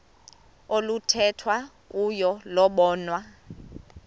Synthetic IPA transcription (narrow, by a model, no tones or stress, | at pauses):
olutʰɛtʰwa | ujɔlɔɓɔːnwa